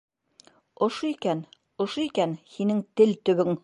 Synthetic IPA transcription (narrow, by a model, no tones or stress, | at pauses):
ŏʃoikæn | ŏʃoikænhinɘŋt̪ɘlt̪ɵ̆βɵŋ